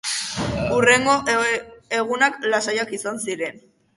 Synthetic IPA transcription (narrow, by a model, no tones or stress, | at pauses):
ure̞ŋɡo̞ | eɣunaklasajakisansiɾe̞n